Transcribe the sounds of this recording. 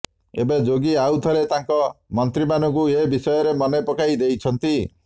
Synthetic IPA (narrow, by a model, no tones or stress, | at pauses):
ḛbed͡ʒoɡiawt̪ʰɔɾet̪aŋkɔmɔnt̪ɾimanɔŋkuebisɔjɔɾemɔnajpɔkajd̪ejt͡ʃʰɔnt̪i